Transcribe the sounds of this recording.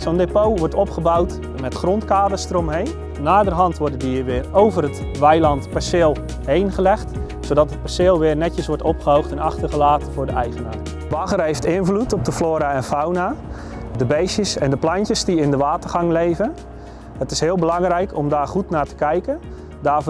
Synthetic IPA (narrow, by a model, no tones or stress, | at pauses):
sondepowʋɔrtɔpχəbawt | mɛtχrɔntkaːdəstromɦejn | naːdərɦɑntʋɔrdədiːərʋɪːrowvərət | ʋɛjlɑntpɛsɪːlˠ | hejnχəlɛxt | soːdɑtɦət̚pasɪːlˠʋɪːrnɛtəsʋɔɹtɔpχəɦowxtɛnɑχtərχəlaːtəvʊːɹdəɛjχənaːr | ʋɑɣərɦejftɪnvlutɔp̚dəfloːɾaɛnfawna | dəbejsjəsɛndəplancəsdiɪndəʋaːtərχɑŋlejvən | hətɪsɦɪːlˠbəlɑŋrɛjkʰɔmdaːrχutnaːtə̥kɛjkən | daː